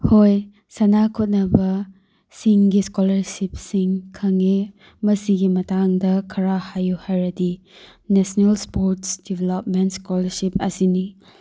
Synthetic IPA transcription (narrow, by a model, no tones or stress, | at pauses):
hoj | sɐnakʰot̚nɐbɐ | siŋɡiskolɐɾsip̚siŋkʰɐŋe | mɐsiɡimɐtaŋdɐkʰɐɾahajuhajɾɐdi | nesnelspoɾtsd̥ibʱelop̚mentskolɐɾsipɐsini